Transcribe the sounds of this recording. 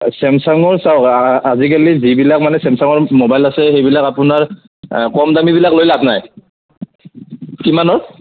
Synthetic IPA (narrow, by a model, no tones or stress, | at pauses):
sɛmsaŋɔɹsawazikalizibilak̚manɛsɛmsaŋɔɹmobajlasɛxejbilakapʊnaɹ | kɔmdamibilaklojladnaj | kimanɔɹ